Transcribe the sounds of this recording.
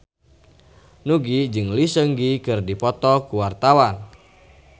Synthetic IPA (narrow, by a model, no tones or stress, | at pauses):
nuɡid͡ʒɨŋlisəŋɡikɨrdipɔt̪ɔkuwart̪awan